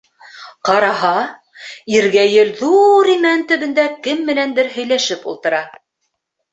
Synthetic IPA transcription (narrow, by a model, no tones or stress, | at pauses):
qɑɾɑɦɑ | iɾɡæjɘlðuɾimænt̪ɵ̆βɘ̆nd̪ækɘmːɘ̆nænd̪ɘɾɦɵ̆jlæʃɘpṵlˠt̪ɤ̆ɾɑ